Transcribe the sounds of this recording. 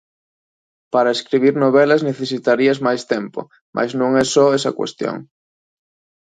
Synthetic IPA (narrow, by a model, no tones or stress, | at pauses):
paɾaeskɾiβ̞iɾnoβ̞ɛlazneθesit̪aɾiazmajst̪ɛmpo̰ | mʔa̰jznõŋɛsɔɛsɐkwḛst̪jo̰ŋ